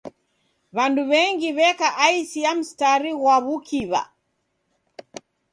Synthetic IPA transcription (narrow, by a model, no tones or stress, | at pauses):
βanduβɛŋɡiβɛkaʔaisiam̩staɾiɣwaβukʰiβa̰